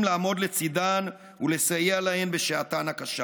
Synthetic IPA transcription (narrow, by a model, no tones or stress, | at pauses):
mlaːmo̞d̪le̞t͡sidan | ule̞sajealahe̞mbe̞ʃeatanakaʃa